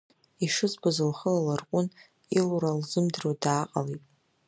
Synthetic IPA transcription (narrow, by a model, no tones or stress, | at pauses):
iʂɨzbazɨlχəlalarqʷʼʊn | iluɾalzɨmdrodaːqʼa̰litʼ